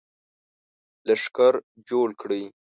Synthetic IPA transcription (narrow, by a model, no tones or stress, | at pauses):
laʂkaɾ | d͡ʒoɽkɽəj